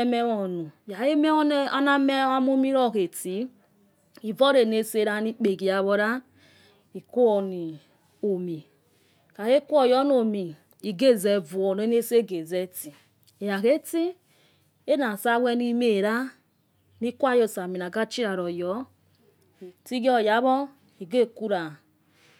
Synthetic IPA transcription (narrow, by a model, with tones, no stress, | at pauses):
mɛ˦wɔ˨nu˨ja˨e˦m˦ɔ˦na˦mɛ˦a˦mu˦mi˦ɾɔ˦˨ke˨ti˨˦ | i˨vɔ˦ɾe˨ne˦se˦ɾa˦ni˦k͡pe˨ɡi˨ja˨βɔ˨ɾa˦ | i˨ku˦ɔ˨ni˨ | o˨mi˨ | ka˨ɣe˦ku˦ɔ˨jɔ˦n˦o˨mi˨ | i˨ɡe˦˨zɛ˨vu˨ɔ˨ne˨˦ne˦se˦ɡe˨zɛ˦ti˨ | e˨ja˨ɣe˦ti˦ | e˦na˨sa˦wɛ˧ni˦me˨ɾa˦ | ni˦kʷa˦jo˦˨sa˨mi˨na˨ɡa˦t͡ʃi˦ɾa˨ɾɔ˨jɔ˨˦˨ | ti˦ɡɔ˦˨ja˨˦βɔ˦ | i˨ɡe˦˨ku˦ɾa˨